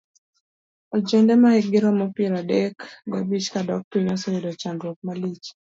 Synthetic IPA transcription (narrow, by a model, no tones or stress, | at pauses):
ɔd͡ʒɛndɛmaɛɡɪɾɔmɔpɛɾadɛkɡabit͡ʃkadɔk̚tinɔsɔedɔt͡ʃandɾɔk̚malit͡ʃ